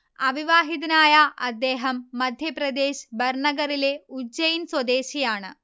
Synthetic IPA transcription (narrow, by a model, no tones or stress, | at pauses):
ɐʋiʋaːɦit̪ɐnaːjɐʔɐd̪ːeːɦɐmːɐd̪ʱjɐpɾɐd̪eːɕbɐɾɳɐɡɐɾileud͡ʑɐjinswɐd̪eːɕijaːɳɨ